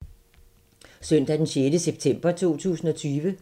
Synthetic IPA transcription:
søn̰d̥æd̥enɕjeːdəseb̥̚t͡sʰem̰b̥ɐt͡sʰo̝̰ːt͡sʰṵːsn̩ɒ̽t͡sʰyːʋə

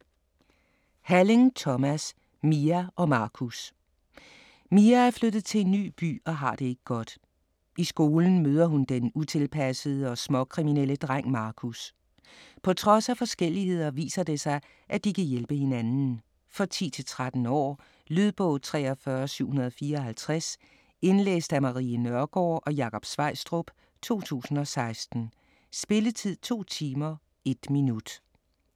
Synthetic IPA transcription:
hæleŋt͡sʰɒmæs | miæɒ̽mɑ̈ːkʰus | miææɐflød̥ð̩ˠt͡sʰe̝le̝nːy̰ːb̥y̰ːɒ̽ɦɑ̈d̥e̝e̝ɡ̥əɡ̥ɒ̽d̥ | ʔisɡ̥o̝ːln̩møːðˠɐɦund̥enut͡sʰe̝lpʰæsəð̞̩ˠəɒ̽smɒ̽kʰʁiminel̰əd̥ʁaŋ̰mɑ̈ːkʰus | pʰɒ̽t͡sʰʁɒ̽sæfɒ̽sɡ̥el̰ihe̝ð̞̰ˠɐʋḭːsɐd̥e̝sɑ̈ɪ | ʔæd̥ikʰæjelb̥əhe̝nænn̩ | fɒ̽t͡sʰḭːt͡sʰe̝lt͡sʰʁad̥n̩ɒ̰ː | lyð̞ˠb̥ɔ̽ːt͡sʰʁɛ̰ːɒfɶɐsyʊ̰hunɐð̞ˠɒfiːɐɦælt͡sʰʁas | e̝nlḛːsd̥æmɑ̈ʁiːənɶɐɡ̥ɒːʔɒ̽jɑ̈kʰɒ̽b̥sʋɑ̈ɪsd̥ʁob̥ | t͡sʰo̝̰ːt͡sʰṵːsn̩ɒ̽sɑ̈ɪsd̥n̩ | sb̥e̝lət͡sʰið̞̰ˠt͡sʰo̝̰ːt͡sʰiːmɐ | e̝d̥minud̥

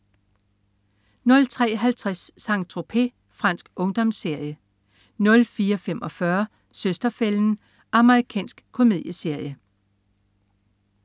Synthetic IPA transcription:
nɔ̽lt͡sʰʁɛ̰ːɦælt͡sʰʁasːɑ̈ŋ̚t͡sʰʁo̝pʰe̝̰ | fʁɑ̈n̰sɡ̥ɔ̽ŋd̥ɒ̽mse̝ɐ̰jə | nɔ̽lfiːɐfemʔɒ̽fɶɐ | søsd̥ɐfeln̩ | ɑ̈məʁikʰɛ̰ːnsɡ̥kʰːo̝með̰ˠjəse̝ɐ̰jə

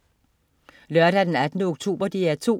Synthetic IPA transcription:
lœɐɾ̥æd̥enæd̥nəɔɡ̥̚t͡sʰo̝̰ːb̥ɐd̥iæɐt͡sʰo̝̰

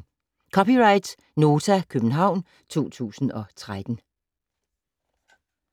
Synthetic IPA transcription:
kʰɒ̽piʁɑ̈ɪd̥s | no̝ːt͡sʰækʰøb̥n̩ɦɑ̈ʊ̰n | t͡sʰo̝̰ːt͡sʰṵːsn̩ɒ̽t͡sʰʁad̥n̩

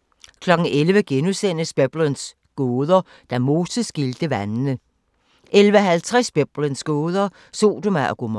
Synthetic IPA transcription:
kʰlɒ̽ɡ̥ŋ̩elʋəɡ̥enusen̰əsb̥eb̥ləns | ɡ̥oːð̞ˠɐ | d̥æmo̝ːsəsɡ̥ild̥əʋænnə | ʔelʋəɦælt͡sʰʁɛsb̥eb̥lənsɡ̥oːð̞ˠɐ | so̝̰ːd̥omæɡ̥om

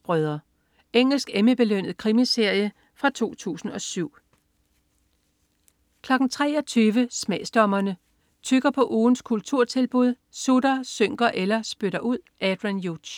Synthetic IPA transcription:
b̥ʁœðˠɐ | eŋ̰l̩sɡ̥eməb̥e̝løn̰ð̞̩ˠkʰʁimise̝ɐ̰jə | fʁɑ̈t͡sʰo̝̰ːt͡sʰṵːsn̩ɒ̽syʊ̰ | kʰlɒ̽ɡ̥n̩t͡sʰʁɛ̰ːɒ̽t͡sʰyːʋəsmɛːsd̥ɒmɐnə | t͡sʰyɡ̥ɐpʰɒ̽ʔuːn̩skʰult͡sʰuɐ̰t͡sʰe̝lb̥uð̞ˠsuɾ̥ɐsøŋ̰ɡ̥ɐʔelɐsb̥øɾ̥ɐʔuð̞̰ˠʔæd̥ʁinju̥ɕ

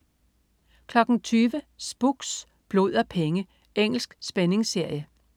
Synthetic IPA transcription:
kʰlɒ̽ɡ̥n̩t͡sʰyːʋəsb̥uɡ̥s | b̥lo̝ð̰ˠɐpʰeŋə | ʔeŋ̰l̩sɡ̥sb̥ene̝ŋse̝ɐ̰jə

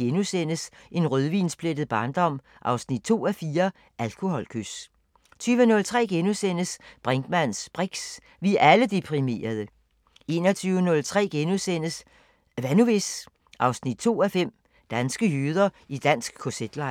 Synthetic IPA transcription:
enusen̰əsʔe̝nʁøðˠʋḭːnsb̥led̥ð̞̩ˠb̥ɑ̈ːnd̥ɒ̽m̰ | ʔɑ̈ʊsnid̥̚t͡sʰo̝̰ːæfiːɐ | ʔælkʰo̝hɒ̽lkʰøs | t͡sʰyːʋənɔ̽lt͡sʰʁɛ̰ːɡ̥enusen̰əsb̥ʁeŋɡ̥mæn̰sb̥ʁiɡ̥s | ʋiʔæləd̥epʰʁime̝̰ːɐð̞ˠə | e̝ːnɐt͡sʰyːʊənɔ̽lt͡sʰʁɛ̰ːɡ̥enusenəs | ʋænuʋes | ʔɑ̈ʊsnid̥̚t͡sʰo̝̰ːæfem̰ | d̥ænsɡ̥əjyð̞ˠɐid̥æn̰sɡ̥kʰo̝sed̥lɑ̈ɪ

